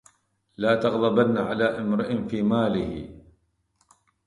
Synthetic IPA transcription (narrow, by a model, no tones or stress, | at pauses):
laːt̪ɑɣlɑbanːaʕalaːʔɪmɾɪʔɪnfiːmaːlɪhɪ̰